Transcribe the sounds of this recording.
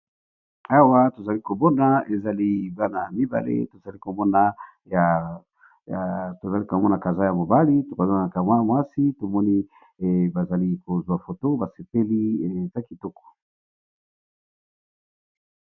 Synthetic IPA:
a˦wa˦to˨za˨li˦ko˨bɔ˦na˦e˨za˨li˦ba˦na˨mi˦ba̰˨lḛ˦to˨za˨li˦ko˨mɔ˦na˨ | ja˨ | to˨za˨li˦ka˨mɔ˦na˨ka˨za˦ja˨mo˨ba˦li˦to˨ko˨za˦˨a˨ka˨ma˦mwa˦si˦to˨mɔ˦ni˦˨ | ba˨za˨li˦ko˨zwa˨fo˨to˦ba˨se˨pe˦li˦e˨za˦ki˨tɔ˦kɔ̥˨

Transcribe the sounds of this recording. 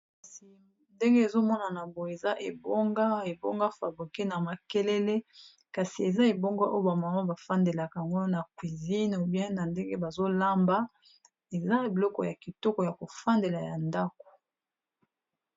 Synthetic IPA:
ka˨si˨ | nde˦ŋɡe˦e˨zo˦mɔ˦na˨na˨bo˨e˨za˦ʔe˨bɔ˦ŋɡa˦e˨bo̰˦ŋɡa˦fa˨bi˨ke˦na˨ma˨ke˦le˦le˦ | ka˨si˨e˨za˦e˨bo˦ŋɡa˦ʔo˦o˦ba˨ma˨ma˦ba˨fa˦nde˨la˨ka˨ŋɡo˦na˨kwi˨zi˦no˨bjɛ̃˦na˨nde˦ŋɡe˦ba˨zo˦la˦mba˦ | e˨za˦˨bi˨lɔ˦kɔ̰˨ja˨ki˨tɔ˦kɔ˨ja˨ko˨fa˦nde˨la˨ja˨nda˦ko̥˨

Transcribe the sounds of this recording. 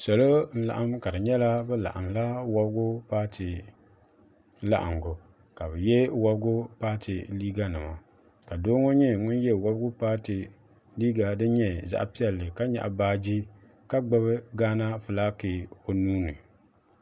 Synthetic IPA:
sɔ˨lo˦n̩˦la̰˨ʔa˦mka˨dɨ˨ɲɛ˦la˦bɛ˦la̰˨ʔa˨mla˦wɔ˦bɡʊ˦paː˦tɨ˨ | la̰˦ʔa̰˨ŋɡʊ˨ | ka˨bɨ˨jɛ˦wa˦bɡʊ˦paː˦tʰɨ˨liː˦ɡa˦nɨ˨ma˨ | ka˨doː˦ŋɔ˦ɲɛ˦ŋʊ˦njɛ˦˨wa˦bɡʊ˦paː˦tɨ˨ | liː˦ɡa˨dɨ˦ɲɛ˨za̰˦ʔa̰˨pi˦ɛ˨lːɨ˨ka˦ɲa̰˨ʔbaː˦d͡ʒi˦ | ka˦ɡ͡ba˦βɨ˦ɡaː˦na˦fɨ˨la˦ke˨o˨nuː˦nɨ˨

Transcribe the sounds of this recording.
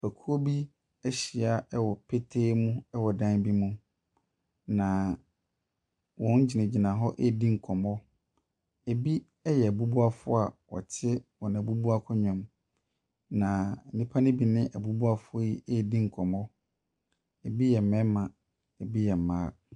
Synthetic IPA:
bæ˨kʰu˦o˦bi˦ | ɛ˦ɕi˨a˨ɛ˦wɔ˨pʰe˦tʰeː˦mũ˦ɛ˦wɔ˨dã˦nbi˦mũ˦ | nã˨ | wɔ̃˦n̩˦d͡ʑi˨nã˨d͡ʑi˨nã˨ɦɔ˦ʔe˦˨dĩ˦ŋ̩˨kʰɔ̃˨mɔ˦ | e˨bi˦ | ɛ˦jɛ˨æ˨bu˦bu˦a˦fʊ˦a˨wɔ̰˨tʰɪ˦wɔ˨nã˨bu˦bu˦a˦kʰʊ˦ɲᶣã˨m | nã˨nĩ˦pʰa˦nɪ̃˦bi˨nɪ̃˦ʔa˨bu˦bu˦a˦fʊ˦ji˦e˦˨dĩ˦ŋ̩˨kʰɔ̃˨mɔ˦ | ɛ˨bi˦jɛ˨m̩˨mɛ̃˦mã˨ | ɛ˨bi˦jɛ˨m̩˨mãː˦

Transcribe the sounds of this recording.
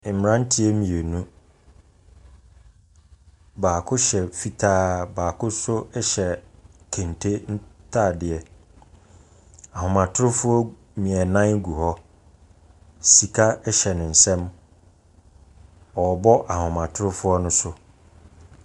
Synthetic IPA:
m˨ɾã˦n̩˦tʰɪ˦ɛ˦mĩ˨e˨nũ˦ | baː˨kʰʊ˦ɕɛ˨fi˦tʰaː˦baː˨kʰʊ˦sʊ˦ɛ˦ɕɛ˨kʰẽ˨n˨tʰe˦n̩˦tʰa˦˨dɪ˨ɛ˨ | a˨ɦʊ̃˨mã˨tʰʊ˦ʊ˦fʊ˦ɔ˦ | mĩ˨ɛ˨nã˦n˦ɡu˨hɔ˦ | si˨kʰa˦ɛ˦ɕɛ˨nɪ̃˨n̩˨sɛ̃˦m | ɔ˨bɔ˦ʔa˨hʊ̃˨mã˨tʰʊ˦ʊ˦fʊ˦ɔ˦nʊ̃˦sʊ˦

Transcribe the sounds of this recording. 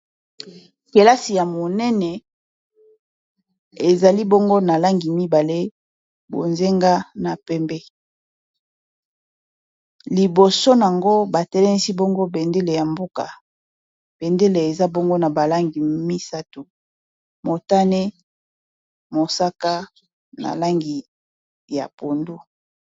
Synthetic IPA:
ke˨la˦si˨ja˨mo˨nɛ˦nɛ˨ | e˨za˨li˦bo˦ŋɡo˦na˨la˦ŋɡi˨mi˦ba˨le˦ | bo̰˨nze˦ŋɡa˦na˨pɛ˦mbɛ˦ | li˨bo˨so˦n˨a˨ŋɡo˦ba˨tɛ˦lɛ˦ni˦si˦bo˦ŋɡo˦be˨nde˦le˨ja˨mbo˦ka̰˨ | b̥e˨nde˦le˨e˨za˦bo˦ŋɡo˦na˨ba˨la˦ŋɡi˨mi˦sa˦tu˨ | mo˨ta˦ne˦ | mo˨sa˦ka˦ | na̰˨la˦ŋɡi˨ | ja̰˨po˨ndu˦

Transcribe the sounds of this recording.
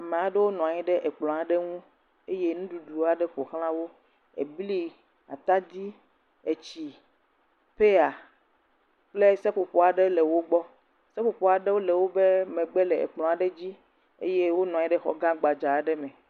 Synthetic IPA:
a˨mẽ˨a˨ɖe˦wo˦nɔ̃˨a˨ɲĩ˦ɖɛ˦ʔe˨k͡plɔ̃˨a˨ɖe˦ŋũ˦ | e˦je˦nũ˦ɖu˨ɖu˨˦a˨ɖɛ˦ɸo˨xl̃ã˦wo˦ | ḛ˨bli˦ | a˨t̪a˦d̪i˦ | e˨t͡ɕi˨ | ɸe˦a˨ | k͡ple˦sɛ˦ɸo˨ɸɔ˦a˨ɖe˦le˨wo˦ɡ͡bɔ˦ | se˦ɸo˨pɔ˨˦a˨ɖe˦wo˦lɛ˨wo˦be˦mẽ˨ɡ͡be˦lɛ˨ḛ˨k͡plɔ̃˨a˨ɖe˦d͡ʑi˦ | ḛ˦je˦wo˦nɔ̃˨ɲĩ˦ɖɛ˦xɔ̰˦ɡã˦ɡ͡ba˨d͡ʒa˨ɖɛ˦mɛ̃˨

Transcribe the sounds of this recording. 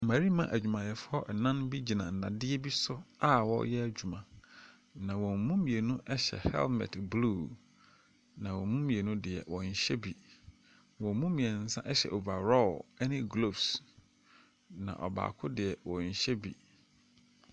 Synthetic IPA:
mã˨ɾi˦mã˦ʔæ˨d͡ʑᶣu˨mã˨jɛ˨fʊ˦ɔ˦ʔɛ˨nã˦nbi˦d͡ʑi˨nã̰˨n̩˨dã˨dɪ˦ɛ˦bi˦sʊ˦a˦wɔ̰˦jɛ˦æ˦˨d͡ʑᶣu˨mã˨ | nã˨wɔ̃˨m̩˨mũ˦mĩ˨e˨nũ˦ʔɛ˦ɕɛ̰˨hɛ̰˦lmɛ̰˨tblu˦˨ | nã˨wɔ˨mũ˦mĩ˨e˨nũ˦dɪ˨ɛ˨wɔ˨ɲ̩˨ɕɛ˦bi˨ | wɔ̃˨m˦mũ˦mĩ˨ɛ˨n̩˦sã̰˦ʔɛ˦ɕɛ̰˨ʔo˨ba˨ɾɔ˦ɛ˦nɪ̃˦ɡlo˦˨bs | nã̰˨ʔɔ̰˨ba̰ː˨kʰʊ˦dɪ˨ɛ˨wɔ˨ɲ̩˨ɕɛ˦bḭ˨

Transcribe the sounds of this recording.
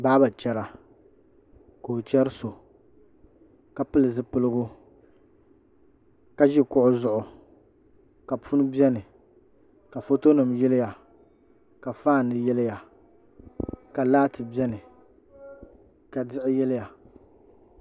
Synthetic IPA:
baː˦ba˨t͡ʃɛ˦ɾa˨ | koː˨t͡ʃɛ˦ɾɨ˦so˨ | ka˨pɨ˦lɨ˨zɨ˦pɨ˦lɨ˦ɡʊ˦ | ka˨ʒi˦kʊ˦ʔʊ˦zʊ˦ʔʊ˨ | ka˨pu˦n˦bi˦ɛ˦nɨ˨ | ka˨fo˦to˦nɨ˨mjɛ˦lɪ˦ja˨ | ka˨faː˦˨nɨ˨jɛ˦lɪ˦ja˨ | ka˨laː˦tɨ˨bɛ˦nɨ˨ | ka˨dɪ˦ʔɪ˦jɛ˦lɪ˦ja˨

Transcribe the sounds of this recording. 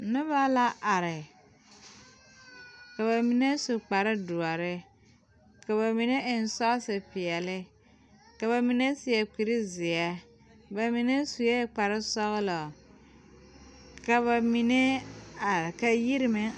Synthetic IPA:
nʊ˦ba˦la˦ʔa˨ɾɪ˨ | ka˨ba˨mi˨ne˦su˨k͡pa˨ɾɪ˦du˨a˨ɾɪ˦ | ka˨βa˨mi˨ne˦ʔɪ˨n˨˦sɔ˦ɣsɪ˨pɪ˨ɛ˨lɪ˦ | ka˨βa˨mi˨ne˦sɪ˨ɛ˨k͡pi˨ɾi˦zɪ˨ɛ˦ | ba˨mi˨ne˦su˨je˦k͡pa˨ɾɪ˦sɔ˦ɣɪ˦lɔ˨ | ka˨ba˨mi˨ne˦a˨ɾka˨ji˦ɾɪ˦me˦

